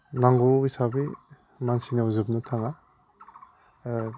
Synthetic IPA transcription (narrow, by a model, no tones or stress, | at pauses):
naŋɡoisabi | mansinawzɯp̚nɯtʰaŋa